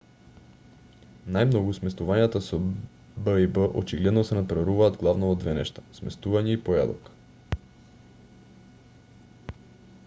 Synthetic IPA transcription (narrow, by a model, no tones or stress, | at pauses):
najmnɔɡusmɛst̪uvaɲjat̪aso | bəibəʔo̰t͡ʃiɡlɛd̪nosɛnapɾaɾuvaːd̪ɡlˠavnoːd̪vɛnɛ̰ʃt̪ḁsmɛst̪uvaɲɛipoja̰d̪ok